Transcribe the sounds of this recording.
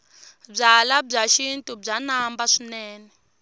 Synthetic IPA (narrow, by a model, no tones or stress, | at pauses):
b͡ʐalab͡ʐaʃintʼub͡ʐanambaʂinɛːnɛ